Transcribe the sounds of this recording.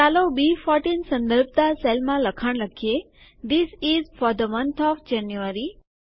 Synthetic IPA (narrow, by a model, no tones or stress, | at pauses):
alobifɔɾʈĩnsə̃nd̪əɾb̚t̪aselmãləkʰaɳləkʰie | d̪isizfɔɾd̪əmə̃nt̪ʰɔʋd͡ʒɛ̃njuəɾi